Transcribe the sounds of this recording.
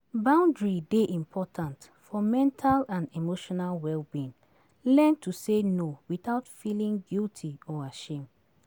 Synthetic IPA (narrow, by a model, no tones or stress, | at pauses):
bãʊ̃ndɹideʔĩmpʰɔtʰãnt | fɔmɛ̃ntʰalãnimoʃɔnalwɛlbĩn | lɛ̃ntusenowiθaʊtfilĩŋɡiltʰiɔaʃẽm